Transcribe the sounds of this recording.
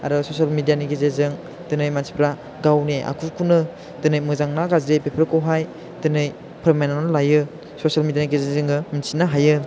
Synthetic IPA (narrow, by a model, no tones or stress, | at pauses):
a̰ɾɯsosalmidijaniɡezezɯŋ | dɯnɯjmansi̥pɾa | ɡawneʔa̰kʰukʰunɯ | dɯnɯjmɯzaŋnaɡazɾepepʰɯɾkowɦaj | dɯnɯj | pʰɯɾmenaanɯlajɯ | sosalmidijaniɡizezɯŋɯminsinaɦajɯ